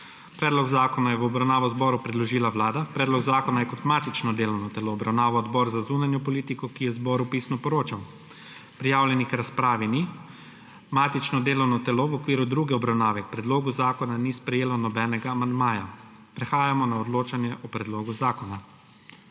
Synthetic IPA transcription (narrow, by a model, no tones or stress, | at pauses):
pɾɛːd̪lɔɡzaːkɔnajɛʋɔbɾawnaːʋɔzbɔːɾupɾɛd̪lɔʒiːlaʋlaːd̪apɾɛːd̪lɔɡzaːkɔnajɛkɔt̪maːt̪it͡ʃnɔd̪eːlɔwnɔt̪ɛloːbɾawnaːʋɔːd̪bɔɾzazunanjɔpɔliːt̪ikɔkijɛzbɔɾupiːsnɔpɔɾoːt͡ʃaw | pɾijaːwlʲjɛnikɾaspɾaːʋini | maːt̪it͡ʃnɔd̪eːlɔwnɔt̪ɛloʋɔkʋiːɾud̪ɾuːɡɛɔbɾawnaːʋɛkpɾɛd̪loːɡuzaːkɔnanispɾɛjeːlɔnɔbɛːnɛɡaːmand̪maːja | pɾɛxaːjamɔnaɔd̪loːt͡ʃanjɛʔɔpɾɛd̪loːɡuzaːkɔna